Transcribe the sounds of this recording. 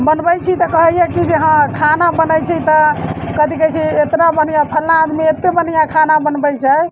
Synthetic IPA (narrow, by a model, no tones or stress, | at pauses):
bənbəjt͡ʃʰit̪ɔkəɦəjɛkid͡ʒeɦãkʰanabənəjt͡ʃʰit̪ɔkəd̪ikɛt͡ʃʰiet̪ɾabənijapʰəlnaːd̪miet̪ebənijakʰanabənbəjt͡ʃʰɛ